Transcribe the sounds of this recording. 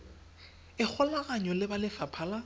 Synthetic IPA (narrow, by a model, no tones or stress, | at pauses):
ɪk͡xʰɔlaɣaɲɔlɪbalɪfapʰala